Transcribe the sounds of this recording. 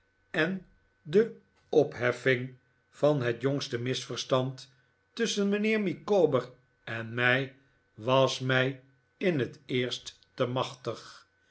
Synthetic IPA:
ɛn | də | ɔpɦɛfɪŋ | fɑnɦɛtjɔŋstəmɪsfəɹstɑntː | ʏsənmənɪːɹmikoːbəɹ | ɛnmɛj | ʋɑsmɛj | ɪnɦətɪːɹstːəmɑχtəχ

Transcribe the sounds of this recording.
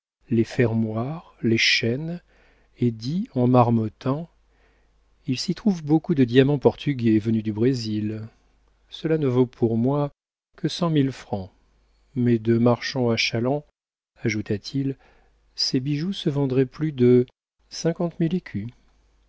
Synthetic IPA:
lefɛʁmwaʁleʃɛn | ed̪iɑ̃maʁmɔt̪ʰɑ̃ | ilsit̪χuvbokud̪əd̪jamɑ̃pɔʁt̪ʰyɡʲevənyd̪ybʁezil | səlanəvopʰuʁmwa | kʰəsɑ̃milfχɑ̃ | mɛd̪əmaʁʃɑ̃aʃalɑ̃ | aʒut̪at̪ʰil | sebiʒusəvɑ̃d̪ʁɛplyd̪ə | sɛ̃kɑ̃t̪milekʲʰy

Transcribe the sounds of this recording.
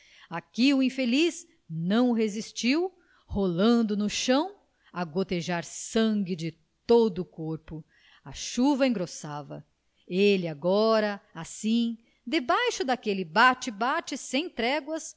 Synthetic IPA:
akiʊĩfeliz | nɐ̃w̃ʊɦezist͡ʃiw | holɐ̃d̪ʊnʊʃɐ̃w̃ | ɐɡot̪eʒaɾsɐ̃ŋɡɪd͡ʒɪ | t̪od̪ʊːkoɾpʊ | ɐʃuvɐẽŋɡɾosavɐ̰ | elɪaɡɔɾɐasĩ | d̪ebajʃʊd̪akelɪbat͡ʃɪbat͡ʃɪsẽj̃t̪ɾɛɡwɐs

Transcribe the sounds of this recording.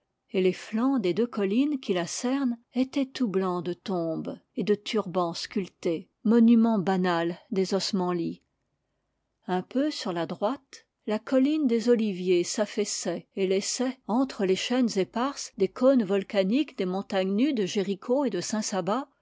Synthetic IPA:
eleflɑ̃d̪ed̪økɔlinkʲilasɛʁnet̪ɛt̪ublɑ̃d̪ət̪ɔ̃bed̪ət̪ʰyʁbɑ̃skʲylt̪e | mɔnymɑ̃banald̪ezɔsmɑ̃li | ɛ̃pøsyʁlad̪ʁwat̪ | lakɔlind̪ezɔlivjesafɛsɛelɛsɛɑ̃t̪χəleʃɛnzepaʁsd̪ekʰonvɔlkanikd̪emɔ̃t̪aɲnyd̪əʒeʁikʰoed̪əsɛ̃saba

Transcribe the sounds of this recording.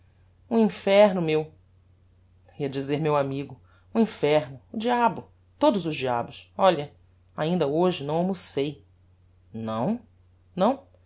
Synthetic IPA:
ũĩfɛɾnʊmew | iɐd͡ʒizeɾmewamiɡʊ | ũĩfɛɾnʊːd͡ʒiabʊ | t̪od̪ʊzʊzd͡ʒia̰bʊsɔʎɐ | aĩnd̪ɐoʒɪnɐ̃w̃ɐ̃mosej | nɐ̃w̃ | nɐ̃w̃

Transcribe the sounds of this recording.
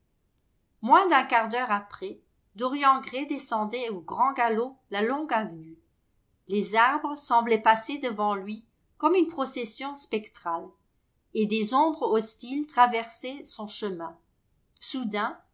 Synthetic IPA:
mwɛ̃d̪ɛ̃kaʁd̪œʁapχɛ | d̪ɔʁjɑ̃ɡʁed̪esɑ̃d̪ɛoɡʁɑ̃ɡalolalɔ̃ɡavny | lezaʁbʁəsɑ̃blɛpased̪əvɑ̃lɥi | kɔmynpχɔsɛsjɔ̃spɛkt̪χal | ed̪ezɔ̃bʁɔst̪ilt̪χavɛʁsɛsɔ̃ʃəmɛ̃ | sud̪ɛ̃

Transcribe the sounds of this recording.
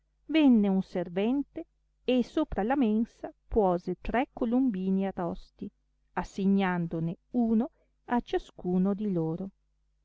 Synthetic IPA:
vɛnːeunservɛnt̪e | esoːpɾalamensapwɔːzet̪ɾɛkːolumbiːniarɔst̪i | asːeɲːand̪oneuːno | at͡ʃaskuːnod̪iloːɾo

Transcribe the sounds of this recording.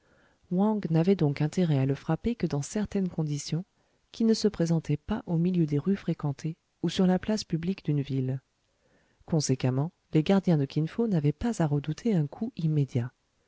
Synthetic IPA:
wɑ̃ɡnavɛd̪ɔ̃kɛ̃t̪eʁɛaləfχapekəd̪ɑ̃sɛʁt̪ɛnkɔ̃d̪isjɔ̃ | kʲʰinəsəpχezɑ̃t̪ʰɛpaʔomiljød̪eʁyfχekɑ̃t̪ʰe | usyʁlaplaspyblikd̪ynvil | kɔ̃sekamɑ̃ | leɡaʁd̪jɛ̃d̪əkʲinfonavɛpazaʁəd̪ut̪ʰeɛ̃kʰuimed̪ja

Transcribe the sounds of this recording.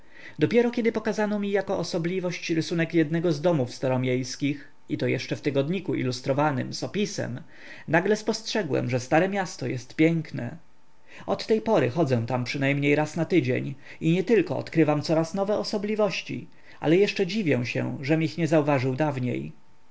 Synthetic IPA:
d̪ɔpʲjɛɾɔkʲɛd̪ɘpɔkazanɔmʲijakɔʔːsɔblʲivɔɕt͡ɕɾɘsunɛkjɛd̪nɛɡɔzd̪ɔmufst̪ɔɾɔmʲjejskʲix | it̪ɔjɛʂt͡ʂɛft̪ɘɡɔd̪ɲikuʔḭlust̪ɾɔvanɘ̰mzɔpʲisɛ̰m | naɡlɛspɔstʂɛɡwɛ̰mʐɛst̪aɾɛmʲjast̪ɔjɛst̪pʲjɛŋknɛ̰ | ɔt̪ːɛjpɔɾɘxɔd̪zɛ̃t̪ampʂɘnajmɲejɾasnat̪ɘd͡ʑḛɲ | iɲɛt̪ɘlkɔ̰ɔ̰t̪kɾɘvamt̪sɔɾasnɔvɛɔsɔblʲivɔɕt͡ɕḭ | ʔa̰lɛjɛʂt͡ʂɛd͡ʑivʲjɛw̃ɕɛ̰ʐɛmixɲɛzauvaʐɘwd̪avɲḛj

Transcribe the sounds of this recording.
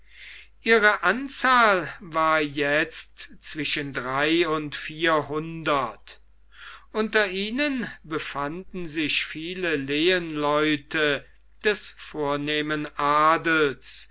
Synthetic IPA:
ʔiːʁəʔant͡saːlvaːɐjɛt͡stt͡sv̥ɪʃəndʁaɪʊntfiːɐhʊndɐt | ʔʊntɐʔiːnənbəfandn̩zɪçfiːləleːənlɔʏtə | d̥ɛsfoːɐneːmənʔaːdl̩s

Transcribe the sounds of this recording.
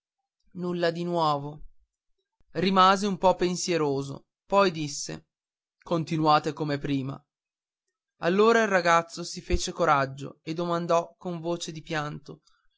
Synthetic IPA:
nulːad̪inwɔːvo | rimaːzeumpɔpːensjeɾoːzo̰ | pɔjd̪isːḛ | kont̪inwaːt̪ekomepɾiːma̰ | alːoːɾailrːaɡat̪sːosifeːt͡ʃekoɾad͡ʒːo̰ed̪ːomand̪ɔkːoɱvoːt͡ʃed̪ipjant̪o

